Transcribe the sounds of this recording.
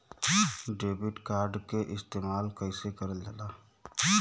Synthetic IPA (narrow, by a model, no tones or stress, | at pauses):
ɖeːbɪʈkaːɾɖkeʔɪst̪eːmaːlkəisekəɾəld͡ʒəlaː